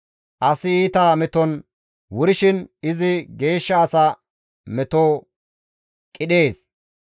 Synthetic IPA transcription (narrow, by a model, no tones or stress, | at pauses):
ʔɐsɪiːt̪aːmɛt̪ɔn | wʊɾɪʃɪnɪzɪɡe̞ːʃːɐːsɐ | mɛt̪oː | kʼɪɗe̞ːs